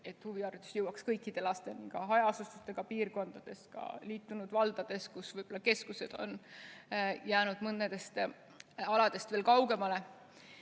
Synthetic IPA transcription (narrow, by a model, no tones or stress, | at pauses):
e̞t̪huviɑrt̪ˑu̥sjɤwːɑkskɤjkːˑid̪̥e̞lɑst̪e̞niŋkɑɦɑjɑsɑst̪et̪ːˑeɡ̥ɑpiːrko̞nd̪̥ɑd̪̥e̞skɑ̰liːt̪ːˑunud̪̥vɑld̪̥ɑd̪̥e̞skusvɤjb̥o̞lːɑke̞skuse̞d̪̥o̞̰n | jæːnud̪̥mɤnːed̪̥e̞st̪ | ɑlɑd̪̥e̞st̪veːlkɑwɡ̥e̞mɑle̞